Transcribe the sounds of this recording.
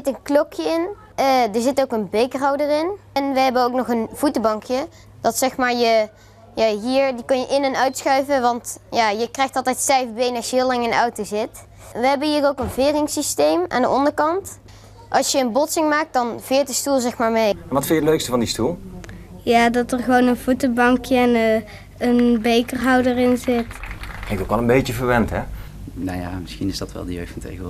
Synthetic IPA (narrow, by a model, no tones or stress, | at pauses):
ɪtənklɔkjəɪn | dəɹzɪtowkənbejkrɑwdərɪnɛnʋəɦɛbənowknɔχənv̥utəbɑŋkjə | d̥ɑtsɛxmaːɹjə | jaːɦiːɹdikɵnjəʔɪnɛnœɥtsxœɥvəʋɑntjaːjəkrɛjxtɑlˠtɛjtstɛjvbejnɑʃjəɦɪːlɑŋənɑ̰wtozɪt | ʋəɦɛbənɦiːrowkənvɪːrɪŋsistejmʔa̰ːndə̰ʔɑndəɹkɑnt | ʔɑlˠsjəːnbɔtsɪŋmaːk̚dɑnv̥ɪːɹt̚dəstulˠzɛxmaːɹmejɛnʋɑtfɪnjədəløɥkstəvɑndistulˠjaːdɑtərχəʋownənv̥utəbɑŋkjəɛn | ənbejkərɦɑwdərɪnzɪtklɪŋktowkɛlə̃nmbejt͡ʃəvəɹʋɛntɦɛ | naja̰mɪsxinɪsdɑtʋɛ̰lˠdəjø̰ɥtfɑntʰḛjɣə